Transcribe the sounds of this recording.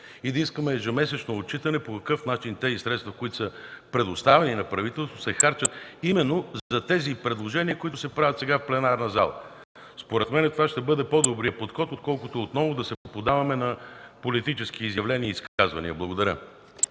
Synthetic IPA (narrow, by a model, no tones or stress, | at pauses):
id̪ɐiskəmɛʒɐmɛsɛt͡ʃnoːtt͡ʃit̪ənɛpokɐkɤfnat͡ʃint̪ɛzisɾɛt̪st̪vɐkoit̪ʊ̥səpɾɛd̪ost̪avɛninɐpɾɐvit̪ɛlˠst̪vo̥sɛxaɾt͡ʃət̪imɛnːozzɐt̪ɛzipɾɛd̪lˠoʒɛniəkoit̪ʊsɛpɾavʲɐt̪sɛɡafplɛnaɾnɐza̰lˠə̰ | spoɾɛt̪mɛnɛt̪ovaʃt̪ɛbɤd̪ɛpod̪obɾiəpot̪xɔt̪ot̪kɔlˠkʊt̪oːt̪nɔvʊd̪ɐsɛpod̪avɐmɛnɐpolit̪it͡ʃɛsk̟iizjɐvlɛniəiskazvɐ̰nḭəblˠɐɡʊd̪ɐɾʲjə